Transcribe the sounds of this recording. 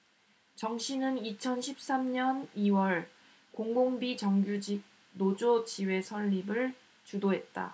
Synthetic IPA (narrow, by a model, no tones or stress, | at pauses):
t͡ɕʌŋɕʰinɯnit͡ɕʰʌnɕʰip̚s͈amɲʌniwʌɭ | koŋɡoŋbit͡ɕʌŋɡjud͡ʑik̚ | nod͡ʑot͡ɕiwe̞sʰʌʎːibɯɭ | t͡ɕudoɦe̞t̚t͈a̰